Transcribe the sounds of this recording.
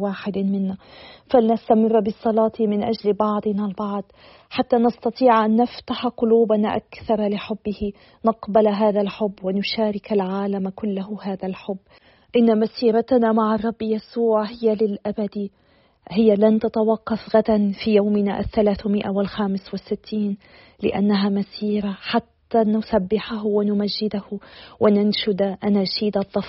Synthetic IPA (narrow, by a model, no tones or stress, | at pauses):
waːħɪd̪mɪnːafalɪnast̪amɪrˤːbɪsˤːɑlɑːt̪ʰimɪnʔad͡ʒlbɑʕd̪ˤɨnalbɑʕd̪̥ˤ | ħat̪ːanɑst̪ɑt̪ˤiːʕʔanːaft̪aħaqʊluːbanaʔa̰kθɑɾˤɑlɪħʊbːɪhɪ | nɑqbalɦaːðalħʊbːwɪnʊʃaːɾɪkalʕaːlamkʊlːahʊhaːðalħʊbː | ʔɪnːamasiːɾat̪namaʕɑrˤːɑbːjasuːʕhɪjalɪlʔabad̪i | hɪjalant̪at̪awɑqːɑfɣad̪anfiːjawmɪna̰ʔaθːalaːθmɪʔawɪlxaːmɪswɪsːɪt̪ʰːiːn | lɪ̰ʔa̰nːaɦaːmasiːɾaħat̪ːaːnʊsabːɪħaɦʊwɪnʊmaʒːɪd̪ahʊwʔɪnanʃʊd̪aʔanaʃiːd̪ɑðˤːɑf